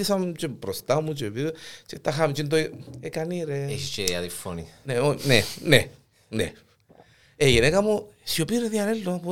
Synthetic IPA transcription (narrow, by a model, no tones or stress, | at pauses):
isamt͡ʃepɾost̪amut͡ʃepiɾt͡ʃet̪axamt͡ʃind̪̬oekaniɾeeʃit͡ʃeaðifonineonene | nḛ | ejenekamo | siopiɾeðjaɾeld̪opo